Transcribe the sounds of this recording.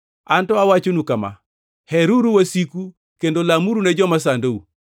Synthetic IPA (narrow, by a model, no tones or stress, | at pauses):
antɔawat͡ʃonukama̰ | hɛɾuɾuwasiku | kendolamuɾunɛd͡ʒɔmas̬andou